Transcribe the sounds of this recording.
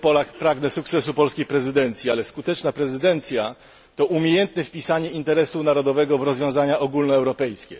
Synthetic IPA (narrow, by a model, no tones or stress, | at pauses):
pɔlakpɾaɡnɛsuk̚t̪sɛs̬upɔlskʲejpɾɛzɘd̪ɛnt̪sʲjialɛskut̪ɛt͡ʂnapɾɛzɘd̪ɛnt̪sʲja | t̪ɔʔumʲjejɛnt̪nɛfpʲisaɲɛint̪ɛɾɛsunaɾɔd̪ɔvɛɡɔvɾɔzvjɔ̃w̃zaɲaʔɔɡulnɔɛwɾɔpɛjskʲɛ̰